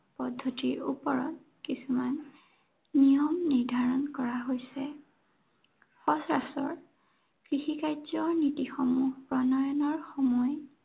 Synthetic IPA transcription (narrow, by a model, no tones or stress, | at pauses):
pɔdʱːɔtiɹṵpɔɹɔ̰t̚ | kisumanː | ijɔmniɹdʱaɹɔnkɔɹaɦojsɛ | xɔsɹa̰sɔ̰ɹ | kɹixikajzɔnitixɔmuhpɹɔnɔjɔnɔɹxɔmɔj